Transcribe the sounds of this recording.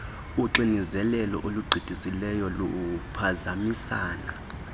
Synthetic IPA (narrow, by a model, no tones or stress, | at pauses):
uǀinizɛlɛlɔʔoluɡ͡ǀʱid̥ʱisilɛjɔlopʰazamisaːna